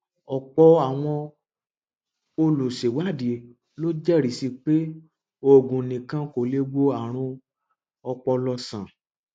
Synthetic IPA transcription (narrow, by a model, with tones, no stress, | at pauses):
ɔ˨k͡pɔ˧a˦˨w̃ɔ̃˧ | o˧lo˨ʃe˨wa˦˨de˨ | lo˦d͡ʒɛ˦˨ɾi˨˦si˧k͡pe˦ | o˦˨ɡũ˨nĩ˨kã˧ko˨le˧ɡ͡bo˦a˨ɾ̃ũ˧ | ɔ˧k͡pɔ˧lɔ˧sã˨